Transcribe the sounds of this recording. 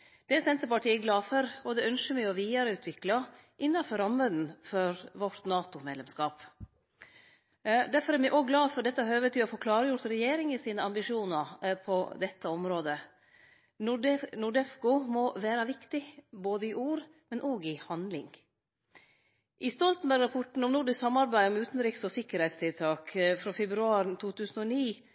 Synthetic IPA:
d̪̥ɛɛsɛnt̪əpɑʈiːəɡlɑːfɔɾɔd̪ɛœnʂəmɛɪɔʋiːɑɾəʉːt̪ʰʋɪklɑ | ʔɪnːɑfɔɾɑmːəd̪n̩fɔɾʋɔʈt̪nɑːt̪ʊmeːd̪lɛmskɑːp | d̪æfɔɾɛɾmɛʔoːɡlɑːfɔɖɛt̪ːəɑɾhøːʋət̪ʰɪɔfoːkʰlɑːɾəjʊɾt̪ɾɛjeːɾɪŋɪsiːnəɑmbɪʂuːnɑɾpʰɔd̪ɛt̪ːəɔmɾoːd̪ə | nʊɖɛfkʊmɔʋæːɾɑʋɪkt̪ɪboːd̪əɪʔuːɾ | mɛnʔoːɡɪhɑnd̪lɪ̰ŋ | ʔɪst̪ɔlt̪n̩bæɾɡɾɑpʰɔʈɳ̩ɔmnʊːɖɪssɑmːɑɾbæɪɔmʉːt̪nɾɪksɔsɪkːəɾhɛɪt̪st̪ʰɪlt̪ʰɑːkfɾoːfɛbɾʉɑːɾt̪ʰuːt̪ʰʉːsn̩ɔniː

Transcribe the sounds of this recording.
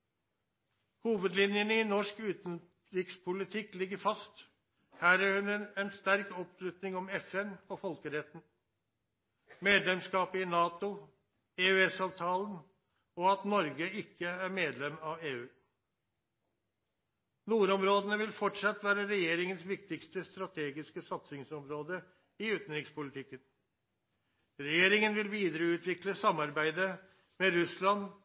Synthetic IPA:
huːʋəd̪lɪnjənəɪnɔʂkʉːt̪n | ɾɪkspʰʊlɪt̪ʰɪkːlɪɡːəɾfɑst̪ | hæːɾæɾhʉnɛɛnst̪æɾkɔpʃlʉt̪nɪŋɔmɛfɛnɔfɔlkəɾɛt̪ːn̩ | meːd̪lɛmskɑːpəɪnɑːt̪ʊ | eːʉɛsɑːʋt̪ʰɑːlən | ɔɑt̪nɔɾɡəɪkːəæɾmeːd̪lɛmɑʋeːʉː | nuːɾɔmɾoːd̪ənəʋɪlfɔʈʂɑt̪ːʋæːɾəɾɛjeːɾɪŋənsʋɪkt̪ɪkst̪əst̪ɾɑt̪ʰeːɡɪskəsɑt̪sɪŋsɔmɾoːd̪ə | ɪʉːt̪n̩ɾɪŋspʊlɪt̪ʰɪkːən | ɾɛjeːɾɪŋənʋɪlʋiːd̪əɾəʉːt̪ʰʋɪkləsɑmːɑɾbæɪd̪ə | mɛɾʉslɑn

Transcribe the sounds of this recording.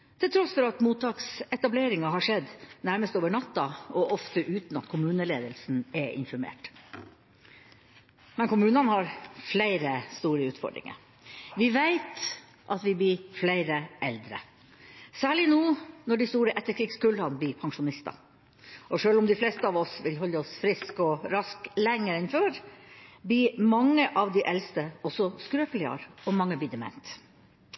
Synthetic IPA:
t̪ʰɪlt̪ʰɾɔsfɔɾɑt̪muːt̪ʰːɑːksɛt̪ɑbleːɾɪŋɑɦɑʂɛd̪ːnæɾməst̪oːʋəɳɑt̪ːɑɔʔɔft̪əʔʉːt̪n̩ɑ̰t̪kʰʊmʉːnəleːd̪əlsn̩ɛʔɪ̰nfɔɾmḛːʈ | mɛnkʊmʉːnɑnhɑɾflæɪɾəst̪uːɾəʉːt̪fɔ̰ɖɾɪ̰ŋə̰ɾ | ʋɪʋæɪt̪ | ʔɑt̪ʋɪbliːflæɪɾəʔɛld̪ɾə̰ | sæːɭɪnuːnɔɖɪst̪uːɾəʔɛt̪ːəkʰɾɪɡskʉlɑnb̪iːpʰɑŋʂʊnɪst̪ɑ̰ | ʔɔʂøːlʊmd̪ɪflɛːst̪əɑːʋɔsʋɪlɦɔlːəɔsfɾɪskɔɾɑsklɛŋːəɾɪnføːɾbiːmɑŋːəʔɑʋd̪ɪʔɛlst̪əɔsɔskɾøːplɪɑ̰ɾɔmɑŋːəbiːd̪ɛmɛ̰nt̪

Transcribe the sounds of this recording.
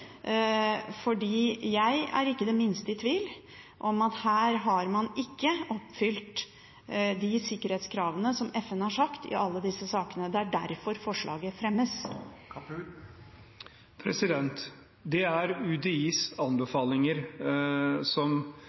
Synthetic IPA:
fɔɖiːjæɪæ̰ɾɪkːəd̪ɛmɪnst̪əɪt̪ʰʋiːl | ʔɔmɑt̪hæːɾɦɑɾmɑnɪkːəɔpːfʏlt̪ | d̪ɪsɪkːəɾheːt̪skʰɾɑːʋənəsɔmɛfɛnəhɑʂɑkt̪ɪ̰ʔɑlːəd̪ɪsːəsɑːkənəd̪ɛæɖæɾfɔɾfɔʂɭʔɑ̰ːɡəfɾɛmːəs | pʰɾɛsɪd̪ɛnt̪ | d̪ɛæɾʉd̪ɛiːsɑnbəfɑːlɪŋəɾ | sɔm

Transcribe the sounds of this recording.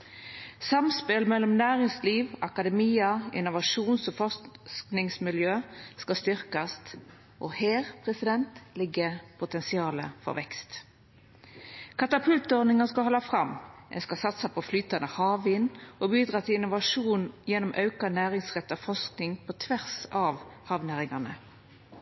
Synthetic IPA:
sɑmspɪlmɛlːɔmnæːʁɪŋsliːʋɑkɑd̪ɛmiːəɪ̰nʊʋɑʂuːnsɔfɔsknɪŋsmɪljøːskɑst̪ʏʁkɑst̪ | ʔoheːʁpʰʁɛsɪd̪ɛnt̪lɪɡəpʰʊt̪ɛnsɪɑːlə̰fɔ̰ʁʋɛkst̪ | kʰɑt̪ɑpʰʉlt̪ɔʁnɪŋɑskɑɦɔlːɑfʁɑmːɛ̰nskɑsɑt̪sɑpʰɔflyːt̪ɑnəhɑːʋɪːnːʔɔbyːd̪ʁɑːt̪ʰɪlɪnʊʋɑʂuːnjɛnːʊmʔɑʉkɑnæːʁɪŋsʁɛt̪ːɑfɔsknɪŋpʰɔt̪ʰʋæʁsɑʋhɑʋnæːʁɪŋɑnə̰

